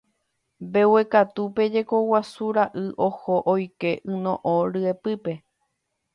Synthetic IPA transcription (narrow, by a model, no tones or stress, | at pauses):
mbe̞we̞kat̪upe̞d͡ʒe̞ko̞wasuɾaʔɨʔo̞hoʔojke̞ʔɨ̃nõʔõɾɨe̞pɨpe̞